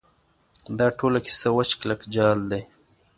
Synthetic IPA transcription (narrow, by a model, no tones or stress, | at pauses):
d̪ɑʈolaki̥sawat͡ʃklakd͡ʒɑld̪aj